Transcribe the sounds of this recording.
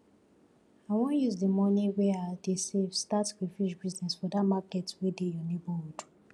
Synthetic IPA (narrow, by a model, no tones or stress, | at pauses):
awɔ̃juzdəmɔ̃niwɛadesevstatifid͡ʒbiznɛsfɔdatmaketwedejɔneboodu̥